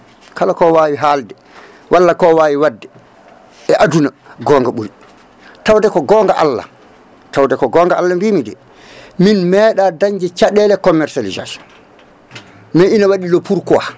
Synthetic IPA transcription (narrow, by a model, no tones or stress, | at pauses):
kalakɔwaːwiɦaldɛ | wʔalːakɔwaːwiwadːɛ | ɛʔaduna | ɡɔːŋɡaɓuɾi | tawdɛkɔɡɔːŋɡaʔalːa̰ | tawdɛkɔɡɔŋɡaʔalːambimidɛ̰ | minmɛːɗadaɲd͡ʒɛt͡ʃaɗɛlɛkɔmːɛɾsaliza̰sɔ̥n | mɛinawaɗilɔpʰuɾkɔwa